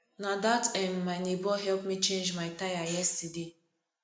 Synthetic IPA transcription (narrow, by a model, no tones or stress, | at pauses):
nad̪atʰɛ̃mːajnibɔɦɛlpmit͡ʃẽnd͡ʒmajt̪ajajɛstidi